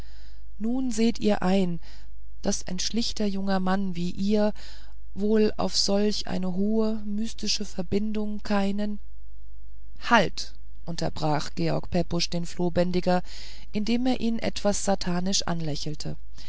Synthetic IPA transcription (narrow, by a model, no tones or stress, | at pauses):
nuːnzeːtʔḭːɐʔaɪn | d̥asʔa̰ɪnʃlɪçtɐjʊŋɐmanviːʔiːɐ | voːla̰ʊfz̥ɔlçʔa̰ɪnəɦoːə | myːstɪʃəfɛɐbɪndʊŋkʰaɪnən | halt | ʔʊntɐ̰bʁaːχɡ̥eːɔ̰ɐkpʰɛpʊʃd̥eːnfloːbɛndɪɡɐ | ʔɪndeːmeːɐʔiːnʔɛ̰tv̥asz̥atʰaːnɪʃʔa̰nlɛçl̩tʰə